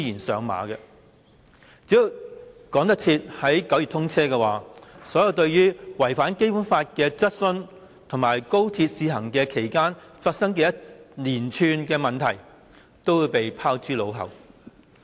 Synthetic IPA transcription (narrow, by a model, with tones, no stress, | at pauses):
i˥jiː˨˩nsœː˨˧ŋma̰ː˨˥kɛ˧ | t͡si˨˥jo˨˧wkɔː˨˥ŋt̪̬ɐ˥k̚t͡sʰiː˧t̚hɐ˨˥jkɐ˨˧˥wjyː˨t̪ʰʊ˥ŋt͡sʰɛː˥kɛː˧waː˨˥sɔː˨˥jɐ˨˧wt̪ɵ˧ɥjyː˥wɐ˨˩jfaː˨˥nke˥jpuː˨˥nfaː˧t̚kɛː˧t͡sɐ˥t̚sɵ˧n | t̪ʰʊ˨˩ŋmaː˨˩jko˥wt̪ʰiː˧t̚siː˧ɦɐ˨˩ŋkɛː˧kʰe˨˩jkaː˥nfaː˧t̚sɐ˥ŋkɛː˧jɐ˥t̚liː˨˩nt͡ʃʰyː˧nkɛː˧mɐ˨nt̪ʰɐ˨˩j | t̪o˥wjiː˨˧wpe˨jpʰaː˥wt͡syː˥lo˨˧wɦɐ̰˨˩w